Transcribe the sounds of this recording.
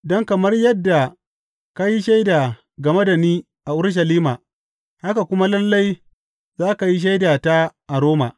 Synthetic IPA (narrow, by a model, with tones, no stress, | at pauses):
dɔ˦ŋkɐ˨mɐ˦rjɐ˦dːa˨ | ka˦ji˦ʃa˦jdaː˨ | ɡɐ˨me˦da˨niː˦ | ʔa˨ʔʊ˦ɾʃ̬ɐ˨liː˦maː˨ | ha˦ka˨kʷʊ˦ma˦lɐ˦lːa˦j | zaː˦ka˨ji˦ʃ̬a˦jdaː˨ta˦ʔa˨ɾoː˦ma̰˨